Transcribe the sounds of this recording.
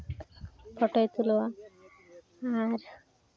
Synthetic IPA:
pɔʈojt̪ulowa | aɾ

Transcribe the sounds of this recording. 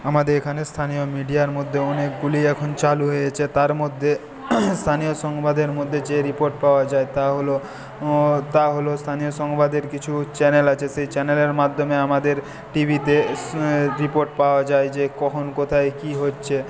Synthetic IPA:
amad̪eɾekʰanest̪ʰanijomiɖijaɾmod̪ʱːeɔnek̚ɡuliɛkʰont͡ɕaluɦojet͡ɕʰet̪aɾmod̪ʱːe | st̪ʰanioʃɔŋbad̪eɾmod̪ʱːed͡ʑeɾipoɾʈpaoad͡ʑaet̪aɦolo | t̪aɦolost̪ʰanioʃɔŋbad̪eɾkit͡ɕʰut͡ɕɛnelat͡ɕʰeʃejt͡ɕɛneleɾmad̪ʱːomeamad̪eɾ | ʈibʱit̪e | ɾipoɾʈpaoad͡ʑaed͡ʑekɔkʰonkot̪ʰaekiɦotːɕʰe

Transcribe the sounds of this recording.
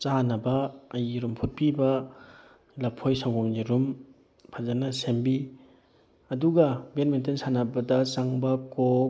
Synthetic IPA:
t͡ʃanɐbɐːjiɾumpʰut̚pibɐ | lɐpʰojsawɡomniɾum | pʰazanɐsembi | ɐduɡɐbenmentensanɐbɐdɐt͡ʃaŋbɐko

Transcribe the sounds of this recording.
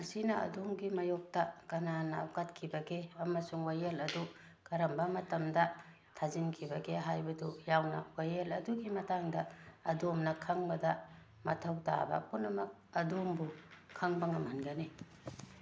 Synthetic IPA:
kɐsinɐɐ̰domɡimɐjok̚tɐkɐnanɐ̰katkʰibɐɡeɐmɐsuŋwajelɐdu | kɐɾɐmbɐmɐtɐmdɐ | tʰazinkʰibɐɡeɦajbɐdujawnɐ̰wajelɐduɡimɐtaŋdɐɐ̰domnɐkʰɐŋbɐdɐ | mɐ̰tʰɐwta̰bɐ̰punːɐmɐk̚ɐdombukʰːɐŋbɐŋɐmhanɡɐni

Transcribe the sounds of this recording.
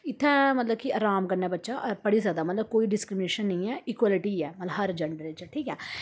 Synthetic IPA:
ɪt̪ʰːɛ̃ːmət̪ləbkiəɾaːmɡənːɛːbətːʃaːpəɽiːzjaːd̪aːmɐt̪ləb̚koːiɖɪskɾɪmɪneːʃənːəĩːɛːikwaːlɪʈiːɛːmɐt̪ləɦəɾd͡ʒəɳɖəɾet͡ʃːʈʰiːkɛː

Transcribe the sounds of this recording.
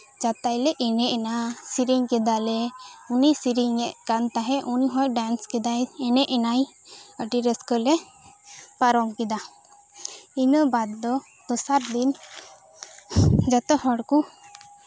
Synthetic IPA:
d͡ʒat̪ajlɛʔɛnɛʔɛnasiɾiŋkɛd̪alɛunisiɾiŋɛʔkant̪aɦɛʔuniɦɔ̃jɖanskɛd̪ajɛnɛʔɛnaj | əʈiɾəskəlɛ | paɾɔmkɛd̪a | inəbad̪̚ːɔ | d̪̥ɔsaɾd̪in | d͡ʒat̪ɔɦɔɽku

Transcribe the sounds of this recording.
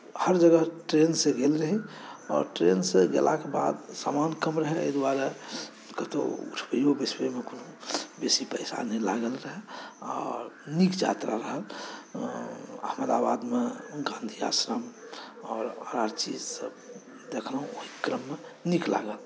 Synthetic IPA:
həɾd͡ʒəɡəɦʈɾenseɡelɾəɦiɔ̰ːɾʈɾenseɡḛlʔa̰keba̰d̪sa̰ːmankəmɾəɦɛḛd̪waɾa | kət̪o̰ṵʈʰbəiɦobesbeimekonobesipəɪsa̰nɛlaɡəlɾəɦɛɔːɾnikd͡ʒa̰t̪ɾaɾəɦəl | ə̰hməd̪a̰bad̪meɡãnd̪ʱia̰sɾəmɔːɾəɾaɾt͡ʃid͡ʒsəb | d̪ekʰləɦũoɦikɾəmːenikla̰ɡəl

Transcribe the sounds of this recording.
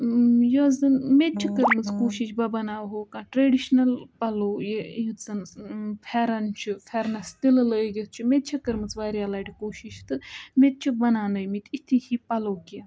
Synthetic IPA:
jozɨnmet̪̚t͡ʃʰikəɾmɨt͡skoːʃiʃbɐbɐnaːwɦoːkãːʈɾeːɖiʃnɐlpɐloːjejut͡sɐnpʰɛɾɐnt͡ʃʰipʰɛɾnɐst̪illəːɡʲet̪̚ʰt͡ʃʰumet̪̚t͡ʃʰikəɾmɨt͡sʋaːɾjaːlaːɖʲikoːʃiʃt̪ɨmet̪̚t͡ʃʰibɐnaːnəjmit̪ʰit̪ʰihipɐloːka

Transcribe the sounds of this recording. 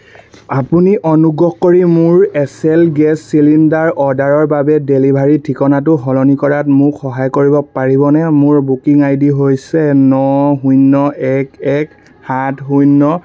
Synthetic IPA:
apuniʔɔnuɡɔhkoɹimʊɹɛsɛlɡɛsːilindaɹɔdaɹɔɹbabɛdelibʱaɹitʰikɔnat̬ʊɦɔlɔnikɔɹatmʊkxɔɦajkoɹibɔpaɹibɔnɛmʊɹbukiŋajdiɦojsɛnɔɦujnːɔɛkɛk | hatɦujnːɔ

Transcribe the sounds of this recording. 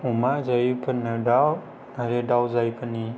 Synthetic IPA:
umazajupʰɯnɯdaw | naɾedawzajpʰɯni

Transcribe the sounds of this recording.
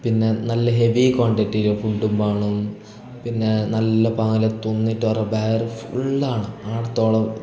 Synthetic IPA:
pinːe̞nɐlːɐɦe̞ʋikoːɳɖeʈːilufuɳɖumbaːɳum | pinːe̞nɐlːɐpɐŋːilet̪onːiʈːɨʋɐrɐbaːjɐrɨfuɭːaːɳɨaːɽɐt̪ːo̞ːɭɐ

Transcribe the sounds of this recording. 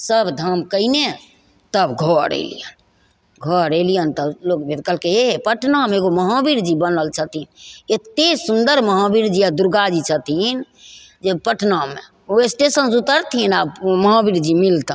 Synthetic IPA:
səbd̪ʱəmkəɪne | t̪əbɡʱɔɾḛlḭjə̰n | ɡʱɔɾelijənt̪əlokbʱed̪kəlkeeɦpəʈʰnameɡoməɦãbiɾd͡ʒibənəlt͡ʃʰət̪inet̪esund̪əɾməɦãbiɾd͡ʒiad̪uɾɡad͡ʒit͡ʃʰət̪in | d͡ʒepəʈʰnamḛ | oesʈesənsut̪əɾt̪ʰinabməɦãbiɾd͡ʒimilt̪ə

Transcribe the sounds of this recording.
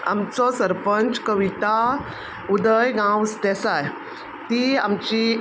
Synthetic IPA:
a̰mt͡sɔsəɾpəɲt͡ɕkəʋit̪a | ud̪əjɡãwst̪ɛsaj | t̪iamt͡ɕi

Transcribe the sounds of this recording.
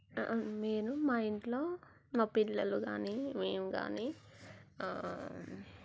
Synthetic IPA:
meːnumaːjiɳʈlo̞ː | maːpilːɐluɡaːnimeːmuɡa̰ːni

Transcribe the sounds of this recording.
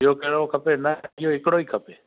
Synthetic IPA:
joːkeːɽoːkʰəpeːnaɪjoːɪkɽoːiːkʰəpeː

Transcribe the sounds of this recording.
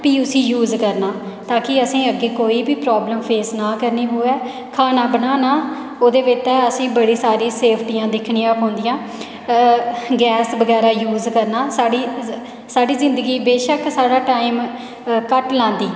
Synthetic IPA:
piːʊsĩːjuːzkəɾnaː | t̪aːkɪəsĩːəɡːeːkoːiːbiːpɾaːbləmpʰeːsnaːkəɾniːɦoːɛː | kʰaːnaːbənaːnaː | oːd̪eːʋɪt̪ːɛːəsĩːbəɽiːsaːɾĩːseːpʰʈiːãːd̪ɪkʰɳiːãːɦɔ̃ːnd̪ɪjãː | ɡɛːsbəɡɛːɾaːjuːzkəɾnaːsaːɽiː | saːɖiːzɪ̃nd̪əɡiːbeːʃəksaːɽaːʈaːɪm | kəʈlãːnd̪iː

